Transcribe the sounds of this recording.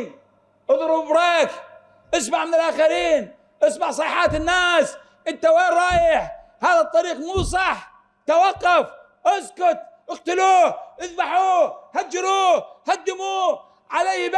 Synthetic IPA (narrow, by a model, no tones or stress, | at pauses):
ʔɑðˤɾubbɾɑːk | ʔɪsmaʕmɪnɪlʔaːxaɾiːn | ʔɪsmaʕsˤɑħɑːt̪ɪnːaːs | ʔɪnt̪ːaweːɾˤɑːjɪħ | haːðat̪ˤːɑɾiːqmuːs̬ˤɑħː | t̪awɑqːɑf | ʔɪzkʊt̪̚ˤʔɪɣt̪ɪluːʔɪzbaħuːhad͡ʒːɪɾuːhad̪ːɪmuː | ʕalaːjb